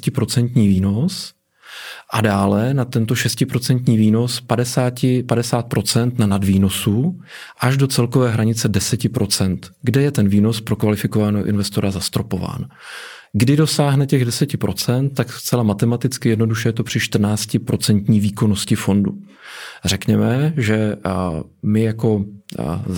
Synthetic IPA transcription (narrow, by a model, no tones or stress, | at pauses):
cɪpɾo̞t͡sɛnt̪ɲiːviːno̞s | ʔadaːlɛnat̪ɛnt̪o̞ʃɛscɪpɾo̞t͡sɛnt̪ɲiːviːno̞spadɛsaːcɪpadɛsaːt̪̚pɾo̞t͡sɛnt̪nanadviːno̞su | ʔaʒdo̞t͡sɛlkovɛːɦɾaɲɪt͡sɛdɛsɛcɪpɾʔo̞t͡sɛnt̪ɡdɛjɛt̪ɛnviːno̞spɾo̞kvalɪfɪko̞vanɛɦoʔɪ̰nvɛst̪o̞ɾazast̪ɾo̞po̞va̰ːn | ɡdɪdo̞saːɦnɛcɛɣdɛsɛcɪpɾo̞t͡sɛnt̪̚tːakst͡sɛlamat̪ɛmat̪ɪt͡skɪjɛdno̞duʃɛjɛt̪o̞pr̥ɪʃt̪r̩naːt͡scɪpɾo̞t͡sɛnt̪ɲiːviːko̞no̞scɪfo̞ndṵ | r̝ɛkɲɛmɛʒɛ | mɪjako̞